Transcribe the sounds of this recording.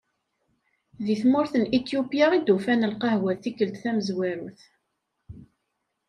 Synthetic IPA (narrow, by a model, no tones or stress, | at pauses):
ðiθmʊɾθənit̪jupjaid̪ufænəlqɑhwæðθikːəlt̪θæməzwæɾuθ